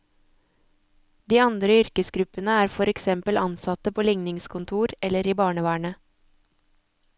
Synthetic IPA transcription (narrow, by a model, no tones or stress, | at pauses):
d̪iːɑnd̪ɾəʏɾkəsɡɾʉpənəæːɾfɔɾɛksɛmpəlɑnsɑt̪əpʰoːlɪŋnɪŋskʰʊnt̪ʰuːɾɛləɾiːbɑːɳəʋæːɳə